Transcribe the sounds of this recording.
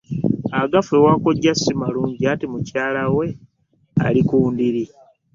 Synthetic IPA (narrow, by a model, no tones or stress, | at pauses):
aɡafewako̞ɟːasimaluːɲɟiatimucaːlawe̞ | a̰likuːndiɾi